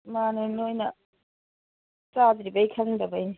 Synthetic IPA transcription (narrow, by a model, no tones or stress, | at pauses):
manojnojnɐ | sad̪ɾibɐjkʰɐŋdɐbɐjni